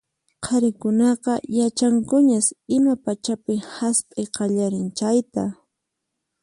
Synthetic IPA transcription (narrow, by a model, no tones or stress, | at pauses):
qʰɑɾɪkʊnɑqɑjat͡ʃaŋkʊɲasɪmapat͡ʃapɪhaspʼɪjqɑʎaɾɪnt͡ʃajt̪a